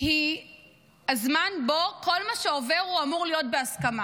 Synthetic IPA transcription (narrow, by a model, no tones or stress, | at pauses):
hi | azmanbo̞ko̞lmaʃeove̞ʁuamuʁlijo̞t̚beaskama